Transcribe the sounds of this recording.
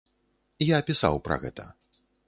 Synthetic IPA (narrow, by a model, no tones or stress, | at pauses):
jaːpʲisa̰wpɾɐ̰ɣɛ̰t̪ɐ̰